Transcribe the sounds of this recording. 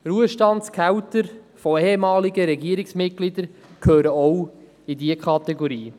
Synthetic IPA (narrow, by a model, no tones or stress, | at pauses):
ɾuəʃtɑntskʰæwt̪əɾ | fɔehemɑːliɡəɾɛɡiəɾɪksmɪt̚ɡ̥lid̪əɾkʰhøːɾəɔw | idiəkʰɑt̪ɛɡɔɾiː